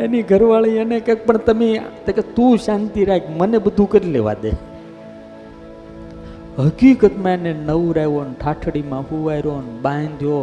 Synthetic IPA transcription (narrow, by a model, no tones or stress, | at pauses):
eniɡʱəɾʋaɭiənekẽk̚pəɳt̪əmet̪eket̪ũʃant̪iɾaɦikʰmənebəd̪ʱũkəɾileʋa̰d̪e | ɦəkikət̪mãenenəʋũɾaɦʋonʈʰaʈʰɽimãɦuʋaiɾonbãnd̪ʱjo